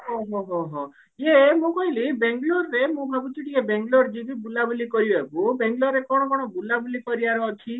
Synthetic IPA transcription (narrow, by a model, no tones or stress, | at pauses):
ɦɔɦɔɦɔɦɔ̃ | jemũkɔɦilibeŋɡloɾːemũbʱabut̪iʈʰikebeŋɡloɾd͡ʒibibulabulikɔɾibɔebubeŋɡlɔɾːekɔɽ̃ɔkɔɽ̃ɔbulabulikɔɾiaɾɔːt̪ʰi